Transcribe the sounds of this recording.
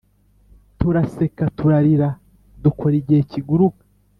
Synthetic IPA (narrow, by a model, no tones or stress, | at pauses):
tuɾase̞katuɾaɾiɾa | dukʰoɾiɟeciɡuɾuka